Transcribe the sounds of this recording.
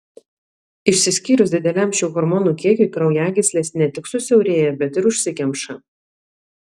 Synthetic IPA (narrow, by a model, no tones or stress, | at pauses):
ɪʃʲsʲɪsʲkʲiːɾʊsd̪ʲɪd̪ʲɛlʲæˑmʃʲɛʊɣɔɾmɔːnuːˑkʲiɛkʲʊɪkɾɐʊjæːɡʲɪsʲlʲeːsnʲɛt̪ʲɪksʊsʲɛʊɾʲeːjɛbʲɛt̪ɪɾʊʃʲsʲɪkʲɛmʃɐ